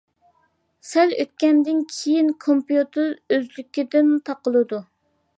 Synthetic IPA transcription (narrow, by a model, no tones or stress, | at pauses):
sɛlø̰t̪̚kʲɛnd̪ɪnkʲʰejinkʰompjut̪ʰɪɾøzlykʲid̪ɪnt̪ʰɑqəlˠɨd̪u